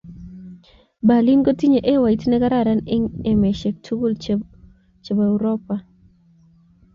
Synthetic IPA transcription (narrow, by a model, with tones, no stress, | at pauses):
ba˨li˦nɡo˦ti˦ɲe˨ʔe˦wa˨i˦tnɛ˦ka˦ɾa˦˨ɾa˦ne˦ŋe˨me˨ʃe˨k̚tʰu˦ɡu˦l | t͡ʃe˨ba˨ɛ˨wɾɔ˦pa˨